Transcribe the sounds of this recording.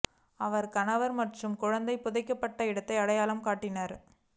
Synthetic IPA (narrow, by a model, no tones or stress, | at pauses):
ɐʋɐɾkɐnɐʋɐɾmɐʈrɯmkʊɻɐnd̪ɐɪpʊðɐɪkːɐpːɐʈːɐɪɽɐt̪ːɐɪɐɽɐjaːlɐmkaːʈːɪnɐɾ